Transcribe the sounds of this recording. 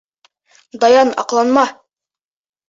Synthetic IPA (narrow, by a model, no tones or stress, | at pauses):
d̪ɑjɑnɑ̰qlˠɑnmɑ